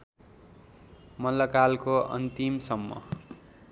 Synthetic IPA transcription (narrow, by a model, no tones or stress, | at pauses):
mʌlːʌkalkoʌ̰nt̪imsʌmːʌ̰